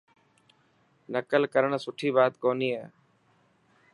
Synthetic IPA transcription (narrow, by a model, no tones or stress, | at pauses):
nəkəlkəɾəɳ̃sʊʈʰiːbaːt̪koːniːaː